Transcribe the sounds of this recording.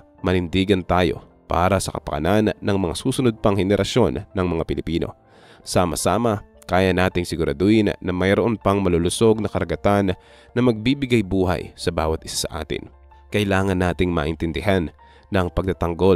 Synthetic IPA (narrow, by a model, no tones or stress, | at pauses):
mɐlɪnd̪iːɡɐnt̪aːjo̞̰ | pa̰ːɾɐsɐkɐpɐkɐ̰nanːɐŋmɐŋa̰suːsʊnod̪̚pɐŋhɛnɛɾʔɐso̞nːɐŋmɐŋapɪlɪpiːno̞̰ | saːmɐ̰sa̰ːmɐ | kaːjɐnaːt̪ɪŋsɪɡʊɾʔɐ̰d̪uːʔɪnnɐmɐjɾoʔonpɐŋmɐlolʊso̞ɡ̚nɐkɐɾɐɡɐt̪an | nɐmɐɡ̚biːbɪɡajbuːɦa̰jsɐbaːwɐt̪̚ʔɪ̥sḁsɐʔa̰ːt̪ɪ̰n | kɐʔɪlaːŋɐnːaːt̪ɪŋma̰ʔɪnt̪ɪnd̪ɪɦanː | ɐŋpɐɡ̚t̪at̪ɐŋɡo̞l